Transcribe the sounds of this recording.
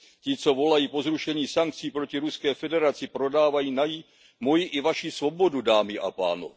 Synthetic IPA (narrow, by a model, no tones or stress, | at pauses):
cɪt͡so̞vo̞lajiːpo̞zɾuʃɛɲiːsaŋk̚t͡siːpɾo̞cɪɾuskɛːfɛdɛɾat͡sɪpɾo̞daːvajiːnaji | mo̞jɪʔɪvaʃisvo̞bo̞dudaːmɪʔa̰pa̰ːno̰